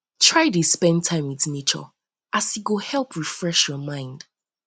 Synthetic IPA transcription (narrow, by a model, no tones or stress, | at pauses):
tʰɹaɪdispɛ̃ntʰãɪ̃mwiθnet͡ʃə̰ | ʔasiɡohɛlˠpʰɹifɹɛʃjɔmãɪ̃nd̥